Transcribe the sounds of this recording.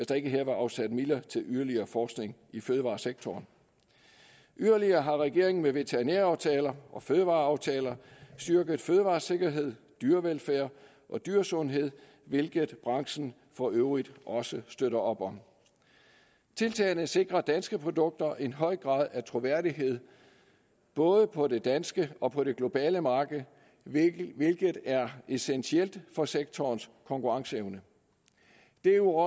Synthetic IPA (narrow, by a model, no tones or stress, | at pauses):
esd̥ɑ̈e̝ɡ̥əɦɛɐʋɑ̈ɑ̈ʊsæd̥milɐt͡sʰe̝lʔyðˠɐliɐːfɒːsɡ̥ne̝ŋiføːðˠəʋɑ̰̈ːseɡ̥t͡sʰɒːn | ʔyðˠɐliɐːɦɑ̈ʁɛɡ̥e̝ɐ̰eŋn̩meʋe̝t͡sʰeɐʁinæɐɑ̈ʊt͡sʰɛːlɐʔɒ̽føːðˠəʋɑ̈ːɑ̈ʊt͡sʰɛːlɐsd̥yɐɡ̥əð̩ˠføːð̞ˠəʋɑ̈ːse̝ɡ̥ɐɦe̝ð̞̰ˠ | d̥yɐʋelfæːɐ | ʔɒ̽d̥yɐsɔ̽nɦe̝ð̰ˠ | ʋe̝lɡ̥əð̩ˠb̥ʁɑ̈ŋsn̩ | fɒ̽ʔøʊʁid̥ʔɒ̽səsd̥øɾɐɒ̽b̥ɒ̽n | t͡sʰe̝lt͡sʰɛ̰ːnəse̝ɡ̥ʁɐd̥ænsɡ̥əpʰʁo̝d̥ɔ̽ɡ̥̚d̥ɐʔe̝nɦɒ̽ɪ̰ɡ̥ʁɑ̈ːð̞ˠæt͡sʰʁo̝ʋæɐ̰d̥iɦe̝ð̞̰ˠ | b̥ɔ̽ːðˠəpʰɒ̽de̝d̥ænsɡ̥əɒ̽pʰɒ̽ɾ̥e̝ɡ̥lo̝b̥ɛ̰ːləmɑ̈ːɡ̥ð̩ˠ | ʋe̝lɡ̥ð̩ˠæɐe̝sensʰiel̰d̥fɒ̽seɡ̥̚t͡sʰɒːnskʰɒ̽ŋkuʁɑ̈ŋsəeʊnə | d̥e̝u